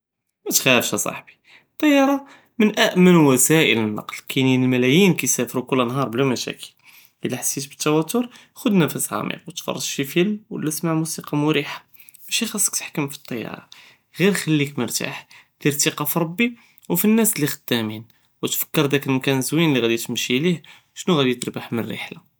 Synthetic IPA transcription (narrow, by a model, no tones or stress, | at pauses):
mæt̪xæəfʃæsˤɑ̰ħbi̥ | t̪ˤːɑjːɑɾˤɑ | mənʔæʔmənwæsæʔə̰lənːɑ̰qlkʰininəlmælæjinkæjsæfɾukʊlːənɦɑɾˤblæmæʃæ̰kə̥l | ʔəlːiħasːit̪bə̥t̪ːæwæt̪ːʊɾˤ | xʊd̪næfəsʕɑ̰mḭqwət̪fɑ̰rˤːɑd̪ʃifəlmwə̰lːæsmaʕmusiqɑmʊɾiħḁ | b̥æʃixɑsˤːə̥kt̪ə̥ħkəmfi̥t̪ˤːɑjːɑ̰ɾˤɑ̰ | ɣiɾxælːikməɾt̪a̰ħd̪̥iɾt̪iqɑfiɾˤɑbːi | wfinːæslːixəd̪ːæmin | wət̪fə̥kːəɾˤd̪ækəlmkænzwinlːiɣæd̪it̪əmʃilih | ʃnuɣæd̪it̪əɾbaħmənrɾə̰ħla